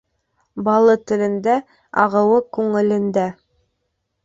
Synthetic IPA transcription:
bɑlˠɤt̪ɘ̆lɘ̆nd̪æ | ɑ̰ʁɤ̆wɤkʉŋɘ̆lɘ̆nd̪æ

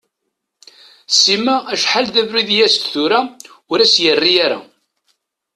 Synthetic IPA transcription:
simææʃħalðævɾiðjæst̪θuɾaʊɾæsjərːijaɾa̰

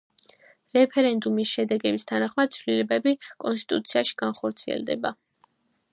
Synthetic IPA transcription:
ɾɛpʰɛɾɛnd̪umisʃɛd̪ɛɡɛbist̪ʰanaχmad̪̥̚t̪sʰwlilɛbɛbikʼɔnst̪ʼi̥t̪ʼut̪sʰiaʃi̥ɡ̥anχɔɾt̪sʰiɛ̰ld̪ɛ̰ba

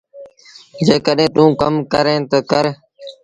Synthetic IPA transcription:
d͡ʒeːkəɗẽːɗũːkəmkəɾẽːt̪əkəɾ

